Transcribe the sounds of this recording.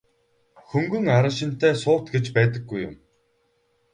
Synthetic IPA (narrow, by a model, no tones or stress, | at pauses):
xɵŋɡɵ̆ŋaɾə̆ʃ̬ɪ̆n̥t̪eːsʊ̥ːt̪ɡet͡ɕpæːt̪ə̆ɡːujʊ̰m